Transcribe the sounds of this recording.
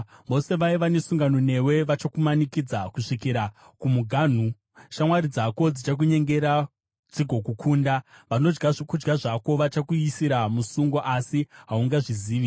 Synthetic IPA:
ʋo̞se̞ʋaiʋanesuŋɡanone̞we̞ʋat͡ʃakumanikid͡zakuʂikiɾa | kumuɡʱaːn̤u | ʃamwaɾid͡zako̞d͡zit͡ʃak̬uɲe̞ŋɡe̞ɾa | d͡ziɡʱo̞kukʰuːndaʋano̞d͡ʒɡaʐkud͡ʒɡaʐako̞ʋat͡ʃakuisiɾamusuŋɡo̞ʔasiɦauŋɡaʐiziːi

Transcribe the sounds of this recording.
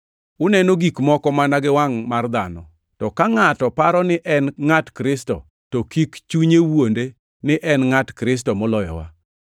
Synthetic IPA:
ʊnɛnoɡikmɔkɔmanaɡɪwaŋmard̪anɔ | tɔkaŋatɔpaɾɔnɪʔɛnŋatkɾɪstɔ̰ | tokikt͡ʃuɲewonde | nɪʔɛnŋatkɾɪs̬tɔmɔlɔjɔ̰wa̰

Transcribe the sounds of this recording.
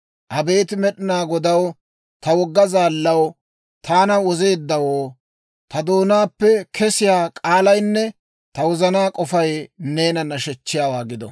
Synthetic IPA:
ʔɐbe̞ːt̪ɪmɛɗɪnaːɡɔd̪ɐw | t̪ɐwɔɡːɐzaːlːɐw | t̪aːnɐwɔze̞ːd̪ːɐwoː | t̪ɐd̪oːnaːpːɛkʰɛsɪjaːkʼaːlɐjnːɛ | t̪ɐwɔzɐnaːkʼɔfɐjne̞ːnɐnːɐʃɛt͡ʃːɪjaːwaːɡɪd̪ɔ̰

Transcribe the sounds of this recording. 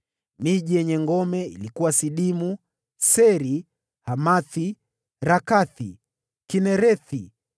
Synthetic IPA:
miʄijɛɲɛŋɡɔmɛḭlikuwasiɗimu | sɛɾi | hamaθi | ɾakaθi | kinɛɾɛθi

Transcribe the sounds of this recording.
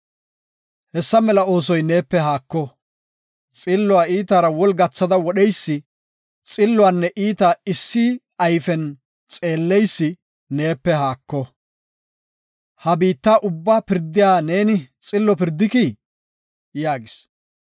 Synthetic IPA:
hɛsːɐmɛlɐo̞ːs̬ɔjne̞ːpːɛɦaːkːɔ | t͡sʼɪlːʊwaːiːt̪aːɾɐwɔlɡɐt͡sːɐd̪ɐwɔɗɛjsːɪ | t͡sʼɪlːʊwaːnːɛʔiːt̪ɐɪsːi | ɐjfɛn | t͡sʼe̞ːlːɛjsːɪː | e̞ːpːɛɦaːkːɔ | hɐbiːt̪ːaːʔʊbːaːpɪɾd̪ːɪjaːne̞ːnɪt͡sʼɪlːɔpɪɾd̪ːɪki | jaːɡɪs

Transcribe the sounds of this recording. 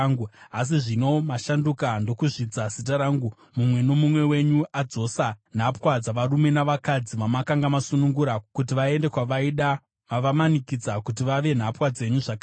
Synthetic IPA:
ŋɡuas̬iʐino̞maʃandukando̞kuʐid͡zasit̬aɾaːŋɡu | mumwe̞no̞mumwe̞we̞ɲuʔad͡zo̞san̤apwad͡zaʋaɾume̞naʋakad͡ziʋamakaŋɡamasunuŋɡuɾakut̬iʋae̞nde̞kwaʋaiɗa | ʋaʋamanikid͡zakut̬iʋaʋe̞n̤apwad͡ze̞ɲuʐaka

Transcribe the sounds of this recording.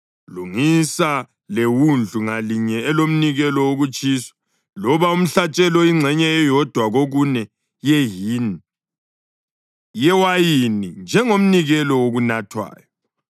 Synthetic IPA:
luŋisa | lewund͡ɮʱuŋaliɲɛɛlom̩niɣɛlɔwoɣut͡ʃʼiːsḁ | lɔβaum̩ɬat͡ʃʼɛlɔiŋ͡ǀʱɛɲɛːjɔd̥ʱwaɣoɣunɛ | jɛɦini | jɛwajinind͡ʒʱɛŋom̩niɣɛlɔwoɣunatʰwa̰ːjɔ

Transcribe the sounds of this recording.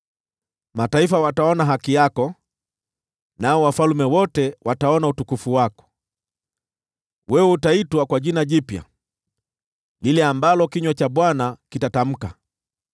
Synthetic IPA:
mataifawataɔnaɦakijakɔ | naɔwafalumɛwɔtɛwataɔnautukufuwakɔ̥ | wɛwɛutaitwakwaʄinaʄipja̰ | lilɛambalɔkiɲwat͡ʃaɓwanakitatam̩ka

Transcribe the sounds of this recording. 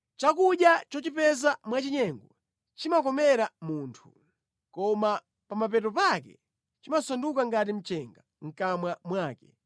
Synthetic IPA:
t͡ʃakuɗjat͡ʃɔt͡ʃipɛzamwat͡ʃiɲɛŋɡɔ | t͡ʃimak̬ɔmɛɾamuːntʰu | kɔma | pamapɛtɔpakɛ̰ | t͡ʃimasɔndukaŋɡat̬im̩t͡ʃɛŋɡa | ŋ̩kamwamwaːkɛ

